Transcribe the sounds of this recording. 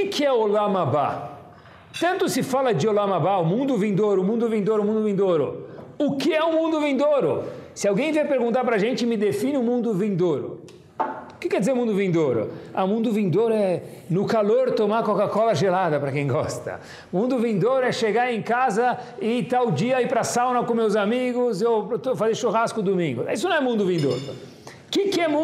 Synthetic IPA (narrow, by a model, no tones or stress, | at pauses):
kɪkʰɪɛolamaba̰ | t̪ɐ̃nt̪ʊsɪfalɐd͡ʒɪolamabaʊmũnd̪ʊvĩnd̪oɾʊmũnd̪ʊvĩd̪oɾʊmũnd̪ʊvĩnd̪oɾʊ̰ʊkɪɛʊmũnd̪ʊvĩnd̪oɾʊsɪawɡẽj̃veɾpeɾɡũnt̪aɾpɾɐʒẽnt͡ʃɪmɪd̪efĩnɪʊmũnd̪ʊvĩnd̪oɾʊ̰ | ʊkɪkɛɾd͡ʒɪzeɾumũd̪ʊvĩnd̪oɾʊ̰aʊ̃mũnd̪ʊvĩd̪oɾʊɛ | nʊkaloɾt̪omakokakɔlɐʒelad̪ɐpɾɐkẽj̃ɡɔ̰st̪ɐ̰ | mũnd̪ʊvĩd̪oɾʊɛʃeɡaẽkazɐɪt̪aʊd͡ʒiɐipɾɐsawnɐkõmewzamiɡʊzewt̪ofazeɾʃoɦaskʊd̪omĩŋɡʊɛis̬ʊnɐ̃w̃ɛmũnd̪ʊvĩnd̪o̰ɾʊ̰ | kɪkɪɛmũ